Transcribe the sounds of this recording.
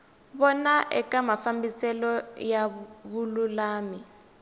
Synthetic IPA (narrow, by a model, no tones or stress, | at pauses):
βɔnaʔɛ̰kamafambisɛlɔjaβululaːmi